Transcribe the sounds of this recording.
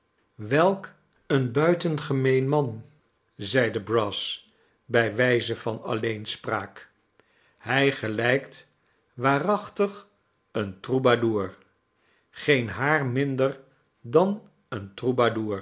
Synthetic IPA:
ʋɛlˠk | ənbœɥtənχəmejnmɑn | zɛjdəbrɑs | bɛjʋɛjzəvɑnɑ̰lejnspraːk | hɛjχəlɛjkt | ʋaːrɑχtəχ | əntrubaduːɹ | χejnɦaːɹmɪndəɹ | dɑn | əntrubaduːɹ

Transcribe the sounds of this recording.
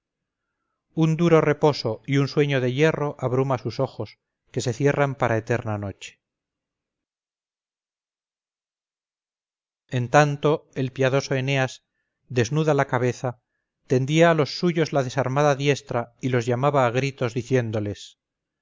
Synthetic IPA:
und̪uɾo̞re̞po̞so̞iunswe̞ɲoðe̞je̞ro̞ʔaβɾumasuso̞xo̞s | ke̞se̞θje̞rampaɾaet̪e̞ɾnano̞t͡ʃe̥ | ent̪ant̪o̞e̞lpjaðo̞so̞e̞ne̞as | d̪e̞znuðalakaβe̞θa | t̪e̞nd̪iaːlo̞sːuʝo̞zlaðe̞saɾmaðaðje̞st̪ɾailo̞zʝamaβaːɣɾit̪o̞zðiθje̞nd̪ole̞s

